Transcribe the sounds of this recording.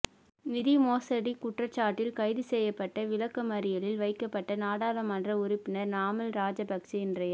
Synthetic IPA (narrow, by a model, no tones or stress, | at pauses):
nɪðimoːsɐɽikʊʈrɐt͡ʃːaːʈːɪlkɐɪðɯsɛjːɐpːɐʈːɐʋɪlɐkːɐmɐɾɪjɐlɪlʋɐɪkːɐpːɐʈːɐnaːɽaːlɐmɐndrɐʊɾɪpːɪnɐɾnaːmɐlɾaːd͡ʒɐbɐksiɪndrɐjɐ